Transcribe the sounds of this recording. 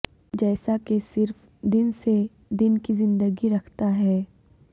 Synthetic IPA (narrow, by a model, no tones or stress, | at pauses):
d͡ʒɛːsakesɪɾf | d̪ɪnse | d̪ɪnkizɪ̃nd̪əɡiɾɐkʰt̪aɦɛː